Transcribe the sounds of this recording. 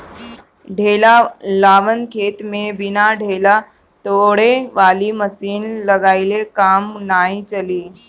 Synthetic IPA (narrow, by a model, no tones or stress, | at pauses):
ɖʱelalaːʋənkʰet̪mebinaɖʱela | t̪oɽeʋaliməsiːnləɡailekamnait͡ʃəliː